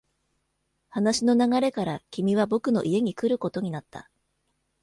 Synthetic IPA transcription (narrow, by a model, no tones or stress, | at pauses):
hanaɕino̞naɡaɾe̞kaɾakʲimʲiβ̞abo̞kɯ̟no̞̰ʔie̞ɲ̟ikɯ̟ɾɯ̟ko̞t̪o̞ɲ̟inat̪ːa̰